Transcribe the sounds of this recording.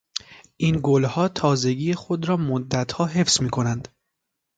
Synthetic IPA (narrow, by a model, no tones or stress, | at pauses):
ʔinɡolhɒːt̪ʰɒːze̞ɟiːexo̞d̪ɾɒːmod̪ːæt̪hɒːɦe̞fz̥miːkʰo̞nænd̪̥